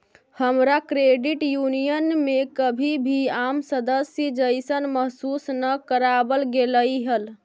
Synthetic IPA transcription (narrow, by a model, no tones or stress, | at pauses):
həmɾakɾeɖiʈjunijənmekəbʱibʱiamsəd̪əsjəd͡ʒəjsənməɦsusnəkəɾabəlɡeləjɦəl